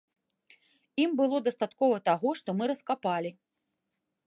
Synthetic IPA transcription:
imbɨlˠɔd̪ɐst̪at̪kɔvɐt̪aɣɔʂt̪ɔmɨɾɐskapalʲi

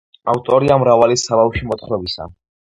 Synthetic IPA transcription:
a̰ft̪ʼɔɾiamɾavalisabafʃimɔt̪χɾɔbisa̰

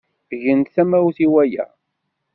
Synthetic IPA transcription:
ʝənt̪θæmæwθiwæjæ̰

